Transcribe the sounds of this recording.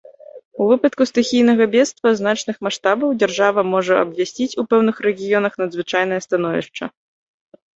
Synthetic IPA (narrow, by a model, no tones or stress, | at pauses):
uvɨpɐt̪kust̪ɨxʲijn̪ɐɣɐbʲɛt̪st̪vɐznat͡ʂn̪ɨxmaʂt̪abɐwd͡zʲarʐavɐmɔʐɐɐ̰bvʲasʲt͡sʲit͡sʲupɛwnɨxɾɛɣʲijɔnɐxn̪ɐd̪zvɨt͡ʂajn̪ɐjɐst̪anɔvʲḭʂt͡ʂɐ̰